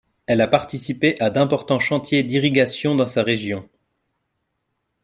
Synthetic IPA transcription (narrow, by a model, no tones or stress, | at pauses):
ɛlapaʁt̪isipeʔad̪ɛ̃pɔʁt̪ɑ̃ʃɑ̃t̪jed̪iʁiɡʲasjɔ̃d̪ɑ̃saʁeʒjɔ̃